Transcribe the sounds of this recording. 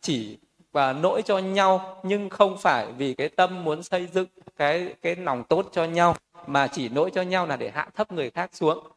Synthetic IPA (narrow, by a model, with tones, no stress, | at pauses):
t͡ɕi˧˩ | aː˨˩no̰˧˥jt͡ɕɔ˧ɲa˧wɲɨ˧ŋxə˧wŋ͡mfaː˧˩jvi˨˩kaː˨˦jt̪ə˧mːu˨˦ənsə˧jzɨ̰˧˨ŋkaː˨˦jkaː˨˦jna˨˩wŋ͡mt̪o˦˥t̚t͡ɕɔ˧ɲa˧wmaː˨˩t͡ɕi˧˩no̰˧˥jt͡ɕɔ˧ɲa˧wlaː˨˩ɗe˧˩ha̰ː˧˨nt̪ʰə˦˥p̚ŋɨ˨˩əjxaː˦˥k̚su˨˦əŋ